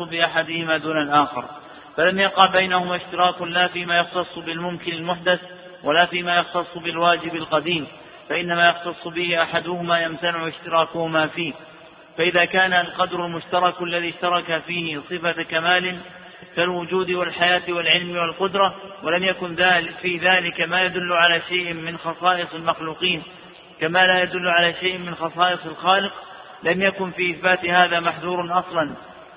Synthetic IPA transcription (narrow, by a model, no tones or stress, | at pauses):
bɪʔaħad̪ɪhɪmaːd̪uːnalʔaːxɪ̰ɾ | falamjɑqɑʕbajnahʊmaːʃt̪ɪɾɑːkʊlaːfiːmaːjɑxt̪ɑsˤːbɪlmʊmkɪnalmʊħd̪aθ | walaːfiːmaːjɑxt̪ɑsˤːbɪlwaːd͡ʒɪbalqɑd̪iːm | faʔɪnːamaːjɑxt̪ɑsˤːbɪhɪʔaħad̪ʊhʊmaːjamt̪anɪʕʊɪʃt̪ɪɾˤɑːkʊhʊmaːfiːh | faʔɪðaːkaːnalqɑd̪ɾˤʊlmʊʃt̪ɑɾˤɑkʔalːaðiːʃt̪ɑɾˤɑkafiːhɪsˤɨfakamaːlɪn | kalwʊd͡ʒuːd̪ɪwalħajaːt̪walʕɪlmɪwalqʊd̪ɾˤɑwalamjakʊnðafiːðaːlɪkamaːjad̪ʊlːʊʕalaːʃajʔmɪnxɑsˤɑːʔɨsˤalmɑxluːqiːn | kamaːlaːjad̪ʊlːʊʕalaːʃajʔmɪnxɑsˤɑːʔɨsˤɪlxɑːlɪq | lamjakʊnfiːʔɪθbaːt̪ɪhaːðaːmaħðuːɾˤnʔɑsˤlɑn